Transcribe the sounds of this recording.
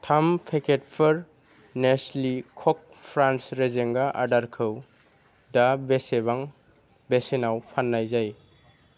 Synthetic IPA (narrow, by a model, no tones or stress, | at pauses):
tʰampʰekʰet̚pʰɯɾ | neslikʰɔk̚ | pʰɾansɾezeŋɡaʔa̰daɾkʰɯw | dabeseβaŋ | besenawpʰanːajzaj